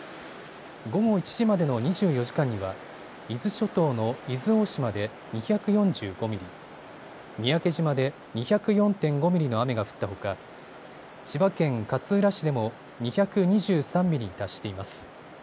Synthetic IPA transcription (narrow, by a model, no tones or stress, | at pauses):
ɡo̞ɡo̞it͡ɕi̥ʑimad̪e̞no̞ɲ̟iʑɨːjo̞ʑi̥kãɲ̟ːiβa | izɨɕo̞t̪o̞ːno̞izɨo̞ːɕimad̪e̞ | ɲ̟içakɯ̟jõ̞ɲd͡ʑɨːɡo̞mʲiɾʲi | mʲiake̞ʑimad̪e̞ | ɲ̟içakɯ̟jõ̞nt̪ẽ̞ŋɡo̞mʲiɾʲino̞ame̞ɡaɸɯ̟̥t̪ːaɦo̞ka | t͡ɕibakẽ̞ŋkat͡sɨɾaɕid̪e̞mo̞ | ɲ̟içakɯ̟ɲ̟iʑɨːsãmːʲiɾʲit̪aɕi̥t̪e̞imasɨ̥